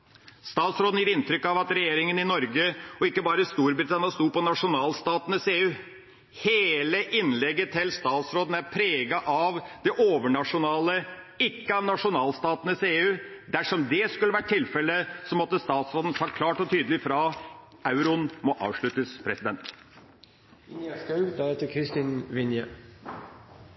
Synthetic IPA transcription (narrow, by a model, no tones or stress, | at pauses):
st̪ɑːt̪sɾoːd̪n̩jiːɾɪnt̪ɾʏkːɑʋɑt̪ɾɛjeːɾɪŋənɪnɔɾɡəɔɪkːəbɑːɾəst̪uːɾbɾɪt̪ʰɑnɪɑst̪uːpɔnɑʂʊnɑːlst̪ɑːt̪ənəseːʉː | heːləʔɪnlɛɡːət̪ʰɪlst̪ɑːt̪sɾoːd̪n̩æɾpʰɾeːɡɑʔɑʋd̪̥ɛʔoːʋəɳɑʂʊnɑːlə | ɪkːəɑʋnɑʂʊnɑːlst̪ɑːt̪nəseːʉːd̪æʂɔmd̪ɛskʉlːəʋæʈ̚ʈʰːɪlfɛləsɔmɔt̪ːəst̪ɑːt̪sɾoːd̪ən̩fɑɾkʰlɑːʈɔt̪ʰyːd̪əlɪfɾɑɑʉɾʊnmɔʔɑ̰ːʋʂɭʉt̪əspʰɾɛsɪd̪ɛnt̪ | skɑd̪ɑɛt̪əkʰɾɪst̪inʋɪnjə